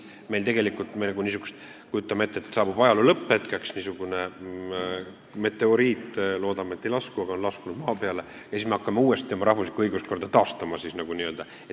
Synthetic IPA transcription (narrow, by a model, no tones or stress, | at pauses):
melt̪e̞ɡe̞likːˑult̪ːˑmenɑɡ̥unisuɡ̥u̥st̪ | kujut̪ːˑɑmeet̪ːˑet̪ːˑsɑːbub̥ɑjɑlulɤpˑːet̪kɑksnisuɡ̥une̞ | me̞t̪ːˑe̞o̞ɾiːt̪ˑːlo̞ːd̪ɑmee̞t̪ːe̞jlɑskuɑɡ̥ɑonlɑskunud̪̥mɑːpe̞ɑle̞ | jɑsiːsme̞ɑkːɑmeuːe̞st̪ːemɑɾʔɑhvuslikuɤjɡ̥usko̞rd̪ɑt̪ɑːst̪ɑmɑsisnɑɡuniø̞ld̪ɑ | et